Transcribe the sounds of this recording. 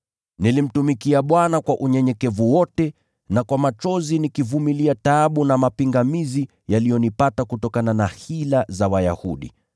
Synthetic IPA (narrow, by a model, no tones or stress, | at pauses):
nilim̩tumikiaɓwanakwaʔuɲɛɲɛkɛvuwɔtɛ | nakwamat͡ʃɔzinikivumiliataɓunamapiŋɡamizi | jalijɔnipatakutɔkananahilazawaja̰huɗḭ